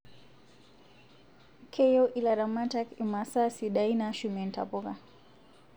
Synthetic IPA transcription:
kʰɛjɔʔilaɾamatakimasasiɗainaʃumɛnta̰pɔka

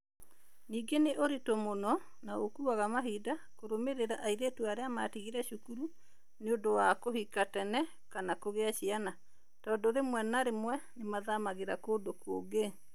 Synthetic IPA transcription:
niːɡeneʔoɾetomonɔ | naokuaɣamaɦiːdakoɾomeɾeɾaʔaiɾetuaɾeama̰tiɣiɾɛʃukuɾu | neondowakohikatɛnɛ | kanakoɣeaʃiana | tɔːdɔɾemwɛnaɾemwɛnemaðamaɣeɾakodokoɡe

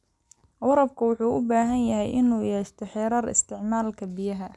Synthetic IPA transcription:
wɑɾɐb̚kʰʊwʊħuːʔʊbaːɦɐnjɐɦɛjʔɪnuːjɛːʃt̪ʰɔħɛːɾɐːrɪ̰st̪ʰɪʕmaːlkʰɐbɪjɐɦɐ

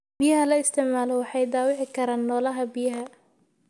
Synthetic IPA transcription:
b̥ɪjɐɦɐlɐɪst̪ʰɪʕmaːlɔwɑħɑjd̪aːwɪʕɪkʰɐɾaːnːɔːlɐɦɐbijɐɦɐ

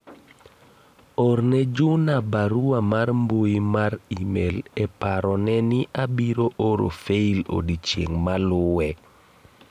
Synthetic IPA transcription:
ɔrnɛd͡ʒunabaɾuwamarmboimarimelɛpaɾɔnɛnɪʔabiɾoʔoɾo̰feilo̰dit͡ʃjḛŋmalʊwɛ

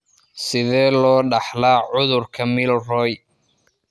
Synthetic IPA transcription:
sɪðɛːlɔːɖɑħlaːʕʊðʊrkʰɐmɪlrɔːj

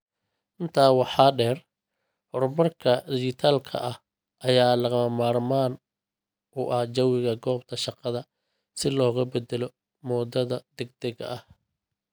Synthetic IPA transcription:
ʔɪnt̪ʰaːwɑħɑːɖɛːr | hɔrmɐrkʰɐd̪ɪʃɪt̪ʰaːlkʰɐ̰ʔɐh | ʔɐjaːlɐɣɐmɐmaːrmaːn | ʔʊʔɐhd͡ʒɐwɪɣɐɡɔːbt̪ʰɐʃɑqɑðɐ | sɪlɔːɣɐbɛd̪ɛlɔ | mɔːd̪ɐðɐd̪ɛɡ̚d̪ɛɣɐ̰ʔɐh

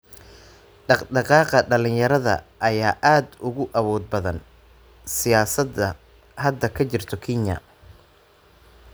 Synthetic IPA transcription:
ɖɑqɖɑqɑːqɐɖɐlɪnjɐɾɐðɐ̰ʔɐjaːʔaːd̪ʊɣʊʔɐβɔːd̪̚bɐðɐn | sɪjaːsɐd̪ɐ | hɐd̪ːɐkʰɐt͡ʃɪrt̪ʰɔkʰɪnɐ̰

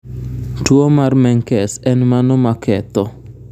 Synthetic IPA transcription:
tuɔmarmɛŋkɛsɛnmanɔmakʰɛt̪ɔ

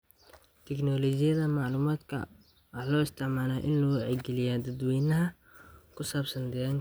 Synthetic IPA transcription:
t̪ʰɛknɔːlɔt͡ʃɪjɐðɐmɑʕluːmaːd̪kʰɐ̰ | wɑħlɔːɪst̪ʰɪʕmaːlaːʔɪ̰nlɔːwʕɛɡɛlɪjaːd̪ɐd̪wiːnɐɦɐ | kʰʊsaːbsɐnd̪ɛɐŋ

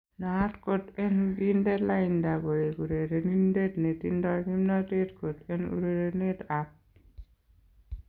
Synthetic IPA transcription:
natkotenɡindelaindaɡojekuɾeɾenindetnetḭndɔkimnatetkotenṵɾeɾenetap̚

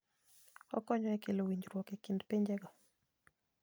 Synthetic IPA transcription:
ɔ̰kɔɲɔɛkelowiɲd͡ʒɾwɔkekindpeɲd͡ʒɛɡɔ

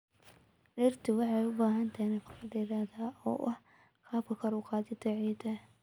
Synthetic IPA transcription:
ɗɪrt̪ʰɪwɑħɑjʊbaːɦɐnt̪ʰɐnɛkʰʊ̥fɖɪɾaːðaːʔɔ̰ːʔɐh | kʰaːbkʰɐkʰɐɾʊqɑːðɪt̪ʰɐʕiːd̪ʰɐ

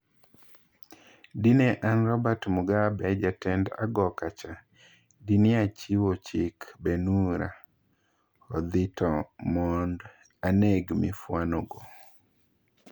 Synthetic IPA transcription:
dineʔanrɔbatmuɡabɛd͡ʒatɛnda̰ɡɔkat͡ʃa | dinɪat͡ʃiwot͡ʃɪkbenuɾa | ɔd̪ɪtʰɔmɔnd | aneɡmɪfwanɔɡo

